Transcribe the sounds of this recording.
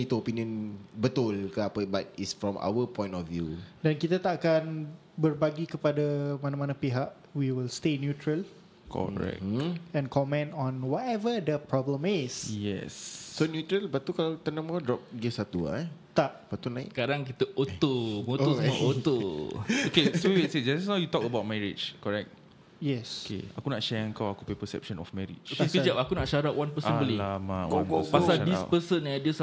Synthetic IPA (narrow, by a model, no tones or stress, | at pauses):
it̪uopiniə̃nbət̪ulkəapəbat̪̚isfɹɔ̃mʔa̰wəpɔ̃j̃ntɔfvjudankit̪at̪aʔakan | bərbaɡikəpadamanamanapiɦaʔ | wiwilstenjut̪ɹəl | kʰɔ̰ɹɛ̰kɛ̃nkɔmɛ̃nɔ̃nwɔtɛvədəpɹɔblə̃misjɛ̰sːonjut̪ɾəlbatt̪ːukalat̪ənãmadɹɔp̚ɡesat̪ua̰t̪aʔbat̪ula̰skaɾaŋk̬it̪əʔot̪omot̪oɛot̪ookeswewitsed͡ʒasɛsawjut̪ɔkəbawt̚mɛɹḭd͡ʒkɔɹɛk̚t̪̚ | jɛsokʰḛakunaʔʃɛəŋkawakupepəsɛ̰p̚ʃɔ̃nɔ̰fmɛɹḭd͡ʒoekəd͡ʒapakunaʔʃaɾaʔwanpəə̃bəlilamawo̰opasaɾdispəsənadiəs